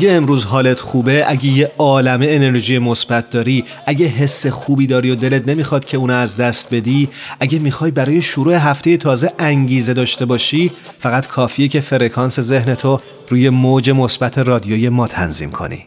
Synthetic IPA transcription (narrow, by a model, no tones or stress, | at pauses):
æɡeːmɾuːzɦɒːlet̪ʰxuːbe̞ʔæɟejeɒːlæmeːne̞ɾʒijemo̞sb̥æt̪̚ʰd̪ɒːɾi | ʔæɟe̞ɦe̞sːexuːbiːd̪ɒːɾijod̪e̞let̪ne̞mixɒːd̪̥̚cʰe̞uːnɛæzd̪æst̪̚be̞d̪iːʔæɟe̞miːxɒːjbæɾɒːjeʃoɾuːe̞ɦæft̪e̞je̞t̪ʰɒːze̞ʔæŋɟiːze̞d̪ɒːʃt̪e̞bɒːʃiː | fæɣæt̪kʰɒːfiecʰe̞fe̞ɾe̞kʰɒːnse̞ze̞hne̞t̪ʰo | ɾuːje̞mod͡ʒe̞mosbæt̪ʰe̞rɒːd̪ijoje̞mɒːt̪ʰæ̰nzḭːmkʰo̞̰nḭ